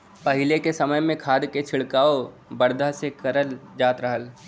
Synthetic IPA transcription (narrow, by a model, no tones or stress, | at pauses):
pɐɦɪlekesɐməjmẽkʰaːd̪ket͡ʃʰɪɭkaːo | bəɾd̪ʱasekɐɾəld͡ʒaːt̪ɾəɦəl